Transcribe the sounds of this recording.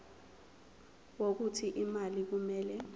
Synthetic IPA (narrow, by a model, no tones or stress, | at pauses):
wok̬utʰiʔimalik̬umɛːlɛ